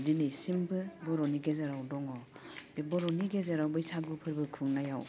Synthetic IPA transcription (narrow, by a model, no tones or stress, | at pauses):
dinɯjsimbɯbɔɾɔniɡezaɾawdɔŋɔ | bebɔɾɔniɡezaɾawbɯjsʰaɡɯpʰɯɾbɯkʰɯŋnajaw